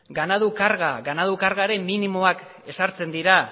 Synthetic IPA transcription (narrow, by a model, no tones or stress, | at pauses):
ɡanaðukaɾɣaɡanaðukaɾɣaɾe̞mminimo̞ak | e̞saɾt͡se̞nd̪iɾa